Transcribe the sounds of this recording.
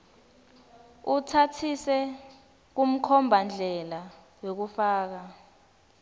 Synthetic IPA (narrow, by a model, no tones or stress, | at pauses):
utʰatʰisɛ | k̬um̩kʰɔmbʱand͡ɮʱɛla | wok̬ufaːk̬a